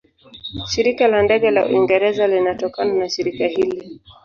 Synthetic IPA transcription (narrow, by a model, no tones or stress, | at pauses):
ʃiɾikalandɛɠɛlaṵiŋɡɛɾɛzalinatɔkananaʃiɾikahili